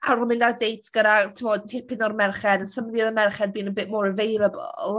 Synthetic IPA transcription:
arʊmɪndadejtʰɡ̥əɾatʰɪmɔd̚tʰɪpɪnɔɾmɛrχɛdənsəmðiðəmɛrχɛd̚biːnəbeːmoɾəvejɾəbɔ̰lˠ

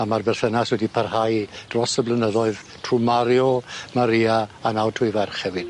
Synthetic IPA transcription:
amarbɛrθənaswɛdipʰarhajd̥rɔsəblənəðɔɨð | tʰrumaɾjɔmaɾiaanawtʰuɨvɛrχɛvɨd̥

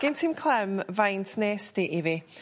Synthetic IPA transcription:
ɡ̥ɪntʰimkʰl̥ˠɛmvajntʰneːsd̥ɪʔɪvɪ

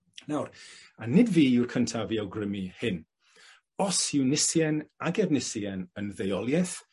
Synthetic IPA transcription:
nawranɪdviːɪwrkʰəntʰaviːawɡrəmihɪn | ɔsɪwnɪsjɛnaɡɛvnɪsjɛnənðejɔlˠjɛθ

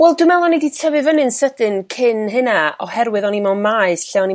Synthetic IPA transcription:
wɛlˠdɨmɛlˠɔnɛditʰɛvɨvənɨnsədɨnkʰɪnɦɨnaɔhɛɾwɨðɔnimɔmaɨsɬɛɔni

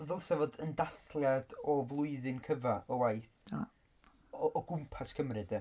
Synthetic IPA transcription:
vɛlˠsɛvodəndaθlˠjadɔvlˠʊɨðɨnkʰəvaɔwajθ | ɔːɡʊmpʰaskʰəmrɨdə

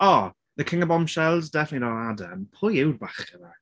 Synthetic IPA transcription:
ɔ | ðəkʰɪŋəbɔmʃɛlˠzdɛfnətlianadə̰mpʰʊjɪwdbaχəna

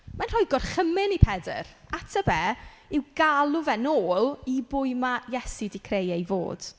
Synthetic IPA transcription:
manr̥ɔjɡɔrχəmɪnipʰɛdə̰ɾatʰəbɛːɪwɡalˠʊvɛnoːlˠibʊɨmajɛsidɪkʰrejɛjvo̰ːd̥

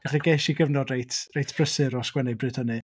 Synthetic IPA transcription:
aχiɡeʃiɡəvnɔdrejtʰrejtʰb̥rəsɨɾɔskwɛnɛbrɨd̥hənɨ

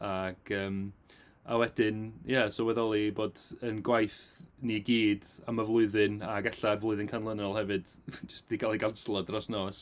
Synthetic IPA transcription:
aɡ̥əːm | a̰wɛdɪnjɛsowɛðɔlˠiboːdənɡwajθniɡiːdaməvlˠʊɨðɨnaɡɛɬarvlˠʊɨðɪnkʰanlˠənɔlˠhɛvɨd̥ | d͡ʒəstiɡʰalˠiɡanslˠɔdrɔsnoːs

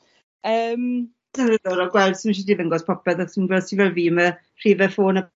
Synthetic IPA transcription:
əːm | d̥ənrəðɔɾɔɡwɛlˠd̥siməʃ̬idiðəŋɡɔspʰɔpɛθasinɡwɛldsinvɛlˠviːmə | r̥iːvɛfoːnə

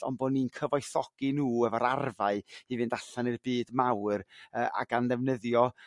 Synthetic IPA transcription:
ɔ̰nboːnːinkʰəvɔɨθɔɡ̥inuːɛvɔɾarvaɨivɨndaɬanɨrbiːdmawrəːa̰ɡanðɛvnəðjɔ

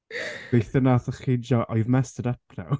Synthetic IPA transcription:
ejθənaθəχid͡ʒɔʔɔjvmɛstədapʰna̰w

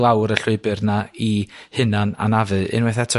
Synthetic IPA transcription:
lˠawɾəɬʊɨbɨrnaihɨnana̰navɨɪ̰nwɛθɛtʰɔ

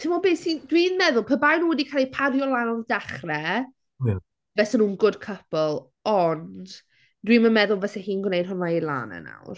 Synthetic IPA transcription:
tʰɪmɔbeːsindwinmɛðʊlˠpʰəbajnuwɛdikʰalˠipʰarjɔlˠanɔdaχrɛ | vɛsɛnuːnɡʊd̥kʰəpɔlˠ | ɔnd | d̥wimənmɛðʊlˠvɛsɛhiːnɡwnejd̥̚hʊnailˠa̰ːnɛ̰na̰wr

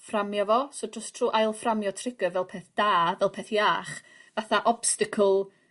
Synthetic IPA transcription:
framjavɔsoːdrɔstʰr̥uːʔajlˠframjɔtʰrɪɡəvɛlˠpʰeːθd̥aːvɛlˠpʰeːθjaːχ | vaθaʔɔb̥stɪkʰəlˠ

